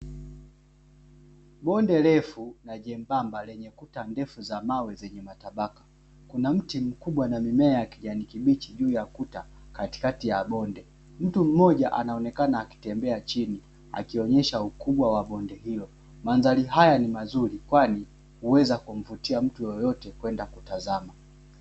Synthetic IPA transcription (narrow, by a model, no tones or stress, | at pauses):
ɓɔndɛlɛfunaʄɛmbambalɛɲɛkutandɛfuzamawɛzɛɲɛmataɓakḁ | kunam̩tim̩kuɓwanamimɛaakiʄanikiɓit͡ʃiʄuːjakuta | kati̥katijaɓɔndɛ | m̩tum̩mɔʄaʔanaɔnɛkanaːki̥tɛmbɛat͡ʃini | a̰kiɔɲɛʃaukuɓwawaɓɔndɛɦilɔ | manzaliɦajanimazuɾikwani | huwɛzakum̩vutiam̩tujɔjɔtɛkwɛndakutazama